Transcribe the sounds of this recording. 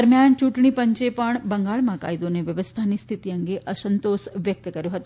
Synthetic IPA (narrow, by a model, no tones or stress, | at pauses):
əɾmjant͡ʃuʈɳ̃ipəɲt͡ʃepəɳbəŋɡaɭmãka̰id̪oneʋjɐʋəst̪ʰanist̪ʰit̪ijəŋɡeʔəsənt̪osʋjək̚t̪əkɐɾjoɦət̪u